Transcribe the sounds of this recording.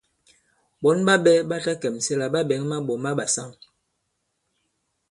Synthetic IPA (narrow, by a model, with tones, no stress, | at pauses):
ɓɔ˨˦nɓa˦ɓɛ˦ɓa˦ta˦kɛ˨m˨sɛ˦la˨ɓa˦ɓɛ˨˦ŋma˦ɓɔ˨ma˦ɓa˨sa˦˨ŋ